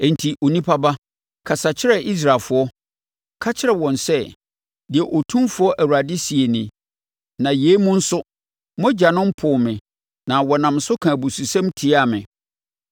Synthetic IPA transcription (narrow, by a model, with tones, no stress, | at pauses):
ɛ̃˨n˨tʰi˨ʔo˨nĩ˦pʰa˦ba˦ | kʰa˨sa˨t͡ɕʰɪ˦ɾɛ˦ʔi˦s̬ɾaː˨fʊ˨˦ɔ˦ | kʰa˦t͡ɕʰɪ˦ɾɛ˨wɔ̃˨nsɛ˦ | dɪ˨ɛ˨ʔo˨tʰũ˦mfʊ˨˦ɔ˦ʔæ˨wu˨ɾa˨dɪ˦si˨e˨nĩ˨ | nã˨jeː˨˦mũ˦n̩˦sʊ˦ | mɔ̃˦d͡ʑa˨nʊ̃˦m̩˦pʰʊː˨mɪ̃˨ | nã˨wɔ˨nã˨msʊ˦kʰã˨bu˨su˨sã˦mtʰi˨˦a˦˨mɪ̰̃˨